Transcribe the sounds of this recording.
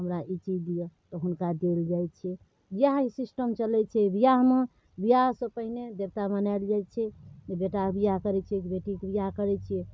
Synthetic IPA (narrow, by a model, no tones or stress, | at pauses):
ɦəmɾaʔit͡ʃid̪ijet̪ɔɦunkad̪eld͡ʒajt͡ʃʰɛ | bijaɦisisʈəmt͡ʃəlɛt͡ʃʰɛbijaɦme | bijasəpəɦined̪eɾt̪amənald͡ʒajt͡ʃʰɛebeʈabijakəɾɛt͡ʃʰiekbeʈikbijakəɾɛt͡ʃʰie